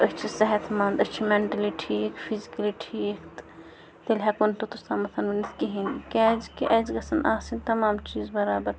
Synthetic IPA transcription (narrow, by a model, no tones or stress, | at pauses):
ɐtːt͡ʃʰisɛɦɐt̪ʰmãːnd̪ɐtːt͡ʃʰimeɳʈɐliʈʰiːkpʰizikɐliʈʰikt̪ | t̪elɦɛkonʈot̪ust̪amɐt̪ʰɐnʋɐnit̪ʰkiɦĩnikɛd͡ʒkiʔɐd͡ʒɡɐsɐnʔaːsint̪ɐmaːmt͡ʃiːzbɐɾaːbɐɾ